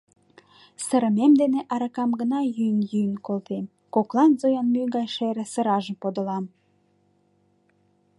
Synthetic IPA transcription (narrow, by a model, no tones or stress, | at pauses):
səɾə̆memd̪eneʔɑɾɑkɑmɡənɑjynjyənkolt̪em | koklɑnzojɑnmyɡɑjʃeɾĕsə̆ɾɑʒəmpod̪ə̆lɑm